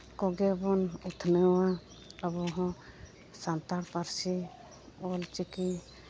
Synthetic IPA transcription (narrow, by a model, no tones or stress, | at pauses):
kɔɡebɔnut̪ʰnəwa | əbɔɦɔ̃ | sant̪aɽpaɾsi | ɔlt͡ʃiki